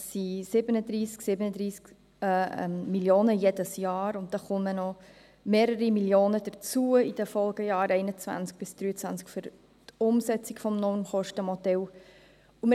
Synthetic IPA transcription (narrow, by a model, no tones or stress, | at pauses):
sisɪbənəd̪ɾiːsksɪbənəd̪ɾiːsk | mmiljoːnəjed̥əsjɑːɾʊnt̚d̥ɑχʊmənɔ | meːɾəɾimiljoːnəd̥ət͡suəid̥ɛfɔlɡ̥əjɑːɾɛɪnət͡svæ̰nt͡sk̚b̥ɪsd̥ɾyːət͡sʋænt͡skfʏɾ | tʊmsɛt͡sikfɔmnɔnχɔʃtəmɔdɛl | umə